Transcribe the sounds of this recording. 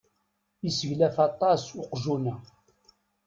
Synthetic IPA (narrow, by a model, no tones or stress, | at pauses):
isəʝlæfɑt̪ˤɑsʊqʒunæ